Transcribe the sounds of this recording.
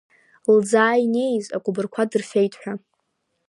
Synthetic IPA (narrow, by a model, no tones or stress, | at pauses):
ld͡zaːine̞jza̰kʷʼubɨrkʷʰadɨrfejtʼħʷᶣa